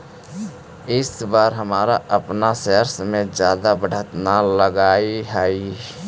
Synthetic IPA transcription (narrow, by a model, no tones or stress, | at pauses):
ɪsbaːɾɦəmaːɾaʔəpnaseːɾsmẽd͡ʒjaːd̪abəɽ̤ʱət̪naləɡaːiɦaːi